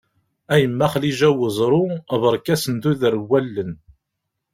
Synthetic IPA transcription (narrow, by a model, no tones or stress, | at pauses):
æjəmːæχliʒæwəzˤɾˤʊvəɾˤkæsənd̪uðəɾwːælːən